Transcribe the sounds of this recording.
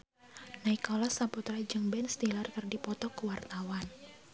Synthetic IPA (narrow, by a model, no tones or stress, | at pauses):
naikɔlasaput̪ɾad͡ʒɨŋbɛnst̪ilarkɨrdipɔt̪ɔkuwart̪awan